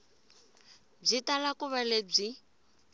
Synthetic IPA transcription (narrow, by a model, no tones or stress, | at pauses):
b͡ʐitalakuβaleb͡ʐi